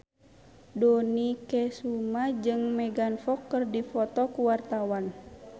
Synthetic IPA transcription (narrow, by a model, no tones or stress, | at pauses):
dɔnikɛsumad͡ʒɨŋmɛɡanfɔkːɨrdifɔt̪ɔkuwart̪awan